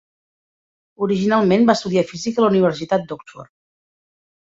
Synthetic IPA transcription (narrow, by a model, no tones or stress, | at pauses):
uɾiʒinalˠmenbast̪uðiafizikələuniβ̞əɾsit̪at̪̚d̪ɔksfɔ̰ɾ